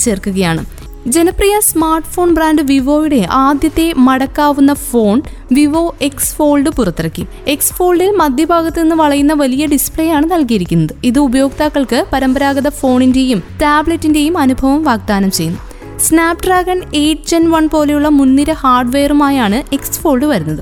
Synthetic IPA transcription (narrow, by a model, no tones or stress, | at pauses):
t͡ɕe̞ːrkːuɣɐjaːɳɨ̰ | d͡ʑe̞nɐprijɐsmaːrʈfo̞ːɳbraːnɖɨʋiʋo̞ːjiɽe̞ʔaːd̪jɐt̪ːe̞mɐɽɐkːaːʋunːɐfo̞ːn | ʋiʋo̞ːe̞ksfo̞ːɭɖɨpurɐt̪ːirɐkʲːḭ | e̞ksfo̞ːɭɖilmɐd̪jɐbʱaːɡɐt̪ːɨninːɨʋɐɭɐjunːɐʋɐlijɐɖispɭejaːɳɨnɐlkijiɾikʲːunːɐðɨiðɨubɐjo̞ːɡ̚t̪aːkːɐɭkɨpɐɾɐmbɐɾaːɡɐðɐfo̞ːɳinde̞jumtaːbɭetːinde̞jumɐnubʱɐʋɐmʋaːɡ̚d̪aːnɐmt͡ɕe̞jːunːu | snaːpɖraːɡɐne̞jʈːɨt͡ɕɐnʋɐɳpo̞ːle̞juɭːɐmunːiɾɐhaːrɖʋeːrumaːjaːɳɨe̞ksɨ̥fo̞ːɭɖɨʋɐɾunːɐðɨ